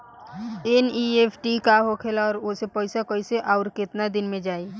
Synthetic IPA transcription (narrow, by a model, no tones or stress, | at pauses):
eniepʰʈikaɦokʰeːlaɔːɾʊsepɔɪsakoɪseʔaːʊɾkɪt̪nad̪ɪnmẽd͡ʒaːi